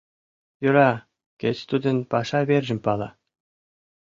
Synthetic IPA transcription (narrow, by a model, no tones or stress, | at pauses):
juɾɑ | ket͡ɕt̪ud̪ɤ̆npɑʂɑβʲerʲʒɘ̆mʲpɑlˠɑ